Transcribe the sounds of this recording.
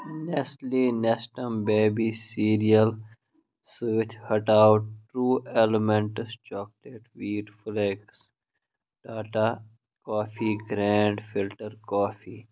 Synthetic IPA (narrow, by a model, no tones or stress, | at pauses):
nɛsʈlinɛsʈə̃mbeːbisiːɾiəl | sʋɪt͡ʃhəʈaʊʈʈɾuːeləmɛ̃ɳʈst͡ʃɔːk̚leʈʋiːɖfleks | ɖ̥aːʈa | kɔːfiɡɾɛ̃ːɳɖfɪlʈəɾkɔːfiː